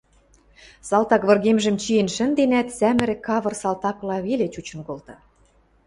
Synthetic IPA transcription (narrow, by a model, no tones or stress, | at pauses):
sɑlt̪ɑkβɤ̆rɣemʒə̆mt͡ɕijenʃə̆nd̪enæt̪sæmɘ̆ɾĕkɑβɤ̆rsɑlt̪ɑklɑβelet͡ɕut͡ɕə̆nkolt̪ɑ